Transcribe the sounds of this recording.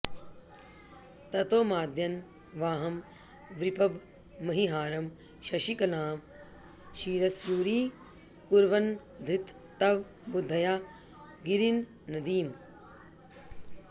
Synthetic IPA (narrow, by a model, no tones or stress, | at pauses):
t̪ɐt̪oːmaːd̪ʱjɐn | ʋaːɦɐm | ʋɾipʰɐbː | ɐɦiɦaːɾɐm | ʃɐʃikɐnaːm | ʃiːɾɐsjuːɾiː | kuɾʋɐn | d̪ʱɾit̪ː | ɐʋ | bud̪ʱːɐjaː | ɡiɾinː | ɐd̪iːm